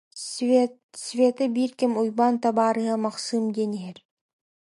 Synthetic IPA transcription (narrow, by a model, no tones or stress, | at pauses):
svʲet̪ɯbiɾkimujbɑnt̪ɑbɑːɾɯɦɯmɑqsɯmd̪eniɦeɾ